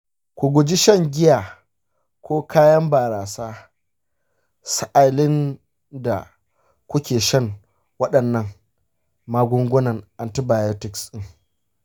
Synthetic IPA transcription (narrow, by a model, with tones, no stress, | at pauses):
kʷu˨ɡʷʊ˨d͡ʒi˦ʃɐ˦ŋɡʲɪ˦jaː˨ | kʷoː˦kaː˦jɐ˦mbaː˨ɾaː˨saː˦ | sa˦ʔa˨lɪ˦n | da̰˨ | kʷʊ˦kʲeː˨ʃɐ˦˨ŋ | wɐ˦ɗɐ˨nːɐ˦˨ŋ | maː˦ɡʷʊ˦ŋɡʷʊ˦nɐ˨ŋʔa˨nti˦baː˨jo˦tɪ˨ksɗɪ˦ŋ